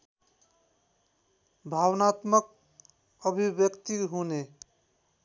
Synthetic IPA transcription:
bʱawnat̪mək̚ | əbʱibjəkt̪iɦone

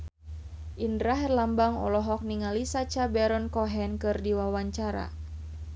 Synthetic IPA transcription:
ʔindɾaɦɛrlambaŋɔ̰lɔɦɔk̚niŋalisat͡ʃabɛɾɔnkɔɦɛnkɨrdiwawaɲt͡ʃaɾa̰

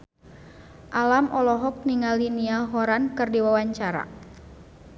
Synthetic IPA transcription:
ʔalamʔɔlɔɦɔk̚niŋaliniaɦɔɾankɨrdiwawaɲt͡ʃaɾa̰

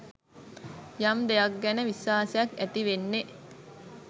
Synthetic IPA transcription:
jamd̪ejɐk̚ɡɛnəʋisʋaːsejakæt̪iʋenːe

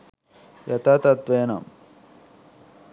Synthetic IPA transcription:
jɐt̪at̪ɐt̪ʋeːna̰m

